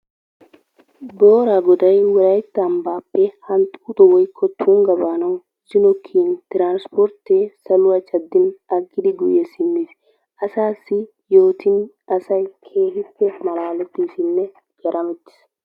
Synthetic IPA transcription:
boːɾaɡɔd̪ɐjwɔɾɐjt̪ːɐːmbaːpːɛhɐnt̪ʼuːt̪ʼɔwɔjkʰːɔt̪ʰːuŋɡɐbaːnɐw | sɪnɔkʰːiːnt̪ɪɾaːnspɔɾt̪ːesɐlʊɐt͡ʃʼɐd̪ːɪnɐkʼːɪd̪ɪɡʊjesɪnːɪs | ʔɐsaːsːɪ | jo̞ːt̪ɪn | ɐsɐjkʰe̞ːhɪpːɛmɐlaːlɛt̪ːisɪnːɛ | ɡɐɾʔɐmɛt̪ːɪ̥s

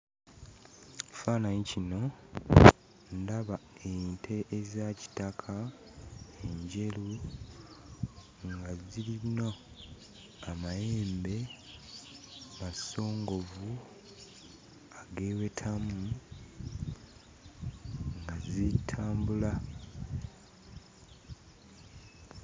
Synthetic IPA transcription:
faːnaɲicino̞ | ndaβaentʰe̞ʔːzaci̥takʰa | eɲɟe̞lu | ŋɡaziliɾino | amaje̞ːmbe̞ | maso̞ːŋɡo̞vu | aɡe̞ːwe̞tʰamu | ŋɡazitʰaːmbula

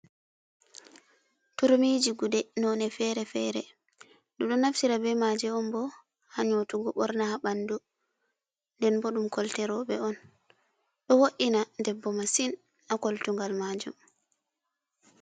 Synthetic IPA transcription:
tuɾmid͡ʒiɡudɛnɔnɛfɛɾɛfɛɾɛ̰ | ɗɔɗɔnaftiɾabɛmad͡ʒɛɔmbɔ | haɲotuɡɔɓɔɾnahaɓandu | ndɛnbɔɗumkɔltɛɾɔɓɛɔn | ɗɔwoʔinadɛbːɔmasin | akoltuŋɡalmaːd͡ʒṵm

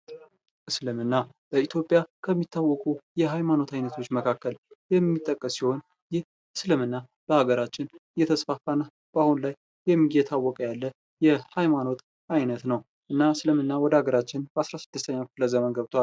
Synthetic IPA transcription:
ʔɨslɨmɨnːa | bəit̪ʰjo̞pʼːjakʰəmːit̪ʰːawːɔkʼujɛɦajmano̞t̪ʰajnət̪ʰo̞t͡ʃːməkʰakːəljɛmːit̪ʼːəkʼːəsːiho̞n | jɪh | ɨslɨmɨnːa | b̥əhaɡəɾat͡ʃːɪnjɛt̪ʰəsfafanːa | b̥ahunlajː | ɛmːijɛt̪ʰawːɔkʼəjalːə | jɛhajmano̞t̪ | ajnət̪nəw | ʔɨnːaslɨmɨnːawɔd̪əhaɡəɾat͡ʃːɪnbəasɾasɨd̪ːɨst̪ʰəɲːaləzəmənɡəβt̪ʰoal

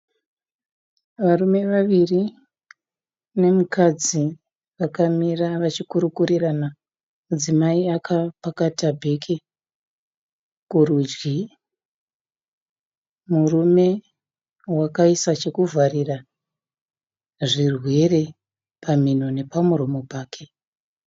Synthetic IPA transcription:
ʋarume̞ʋaʋiri | ne̞mukʰad͡zi | ʋakamiraʋat͡ʃikuɾukurirana | mud͡zimaiakʰapakatabʱe̞kʰe | kuɾud͡ʒɡi | murume̞ | wakaisat͡ʃe̞kuvʱarira | ʐirwe̞re̞ | paminone̞pamuɾo̞mo̞paːkʰe̞

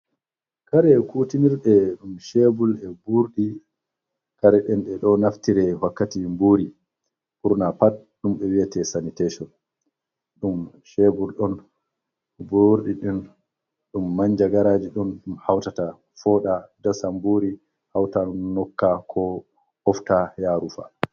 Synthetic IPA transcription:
kaɾɛkutiniɾɗɛɗumʃebulɛbuɾɗi | kaɾɛɗɛnɗɛɗɔnaftiɾɛwakːatimbuɾi | puɾnapat̚ | ɗumɓɛwiatɛsanitɛʃɔn | ɗum | ʃebulɗɔn | buɾɗiɗin | ɗumːaɲd͡ʒaɡaɾad͡ʒiɗɔnɗumhawtata | fɔːɗadasambuɾi | hawtaumnɔkːakʰɔ | hɔftajaːɾufa̰

